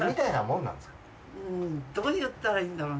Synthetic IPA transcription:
mit̪ainamõ̞nːã̰nd̪sk | ɯ̃d̪oːɲijot̪ːaɾaĩːnd̪aɾoː

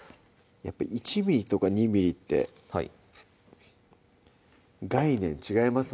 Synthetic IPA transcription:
ja̰pːaiit͡ɕimʲiɾʲit̪o̞kaɲ̟imʲiɾʲit̪ːe̞̰ | ɡainẽ̞ɲ̟t͡ɕiɡaimasɨ

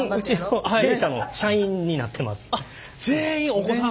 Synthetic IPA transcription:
ɯt͡ɕinoeɕano̞̰ɕaĩɲːina̰t̪ʰːe̞ma̰sɨ̥a | z̥eːĩokosa

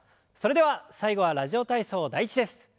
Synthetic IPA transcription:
so̞ɾe̞d̪e̞βasaiɡo̞βaɾaʑio̞t̪aiso̞ːd̪ait͡ɕid̪e̞sɨ̥

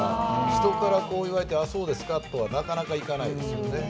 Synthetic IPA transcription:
çi̥t̪o̞kaɾako̞ːiβaɾe̞t̪e̞aso̞ːd̪e̞sɨ̥kat̪ːo̞βanakanakaikanaid̪e̞sɨjo̞ne̞

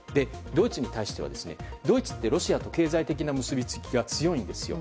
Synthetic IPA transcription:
d̪e̞d̪o̞it͡sɨɲ̟it̪aiɕi̥t̪e̞βa̰d̪e̞sɨne̞̰d̪o̞it͡sɨ̥t̪ːe̞ɾo̞ɕiat̪o̞ke̞ːzait̪e̞kʲinamɯ̟sɨbʲit͡sɨ̥kʲiɡat͡sɨjo̞ĩnd̪e̞sɨjo̰

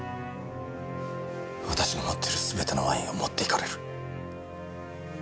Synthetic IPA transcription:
βat̪aɕiŋomot̪ːe̞ɾɯ̟sɨbe̞t̪e̞noβa̰ĩɰ̃omo̞t̪ːe̞ikaɾe̞ɾɯ̟

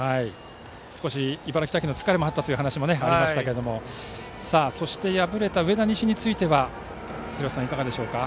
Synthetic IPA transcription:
hai | sɨ̥ko̞ɕiːbaɾakʲit̪akʲinot͡sɨ̥kaɾemoat̪ːat̪o̞jɯ̟ɦanaɕimo̞ne̞aiɾimaɕi̥t̪ake̞ɾe̞d̪o̞mo̞ | saːso̞ɕi̥t̪e̞jabɯ̟ɾe̞t̪aɯ̟e̞d̪aɲ̟iɕiɲ̟it͡sɨit̪e̞βa | çiɾosãikaɡad̪e̞ɕo̞ːka

